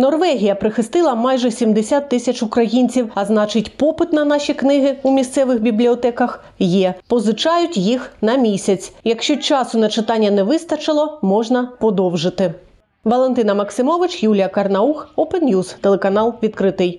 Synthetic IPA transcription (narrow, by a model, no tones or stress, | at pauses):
nɔrʋɛɦʲijɐpɾɪxɪst̪ɪlˠɐmɑjʒɛsʲimd̪esʲat̪ːɪsʲɐt͡ʃʊkɾɐjinʲt͡sʲiwɐznɑt͡ʃɪtʲpɔpɪt̪nɐn̪ɑʃʲiknɪɦɪumʲist̪sɛʋɪxbʲiblʲiɔt̪ɛkɐx | jɛpɔzɪt͡ʃɑjʊtʲjixnɐmʲisʲɐt͡sʲjɐkʃt͡ʃɔt͡ʃɑsʊnɐt͡ʃɪt̪ɑnʲːɐnɛʋɪst̪ɐt͡ʃɪlˠɔmɔʒnɐpɔd̪ɔwʒɪt̪ɪ | ʋɐlˠent̪ɪnɐmɐksɪmɔʋɪt͡ʃjulʲijɐkɐrnɐuxɔpɛnnʲjuzt̪elˠekɐnɑlˠʋʲit̪̚kɾɪt̪ɪj